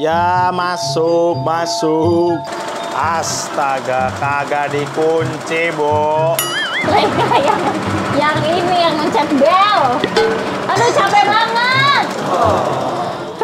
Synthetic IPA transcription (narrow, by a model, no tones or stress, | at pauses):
jamasʊk̚masʊk̚ | as | t̪aɡakaɡadikuɲt͡ʃibɔ | məɾekajaŋjaŋinijaŋəɲt͡ʃɛt̪̚bɛl | anot͡ʃapɛbaŋət̪̚